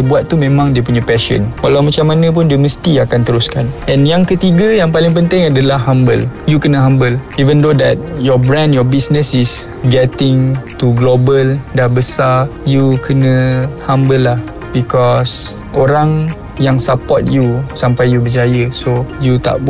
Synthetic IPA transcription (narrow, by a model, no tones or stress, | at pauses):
buat̪̚ːumẽmãŋdiəp̬uɲãpɛʃə̰nwalawmat͡ʃamanə̃p̬ʊndiəməst̪iakant̪əɾuskanɛ̃njaŋkət̪iɡajaŋpalɪŋp̬ənt̪ɪŋadalahɦambəljukənə̃ɦambəlivəndodɛt̪̚jɔbɾɛ̃ndjɔbisnəsis | ɡɛt̪ɪŋt̪uɡlobəldahbəsajukənə̃hambəlːah | bikɔs | ʔoɾaŋ | jaŋsapɔt̪̚jusampajjubəd͡ʒajəsojut̪a̰ʔb